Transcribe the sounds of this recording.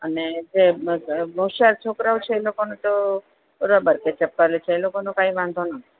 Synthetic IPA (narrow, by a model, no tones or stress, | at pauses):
əned͡ʒebʱəwʃaɾt͡ʃʰokɾawt͡ʃʰeːlokonot̪o | puɾabəɾket͡ʃep̚kalet͡ʃʰeːlokonokaiʋãnd̪ʱonat̪i̥